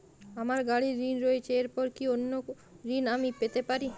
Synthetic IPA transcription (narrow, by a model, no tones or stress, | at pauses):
amaɾɡaɽiɾinɾoet͡ɕʰeeɾpɔɾkionːo | ɾinamipet̪epaɾi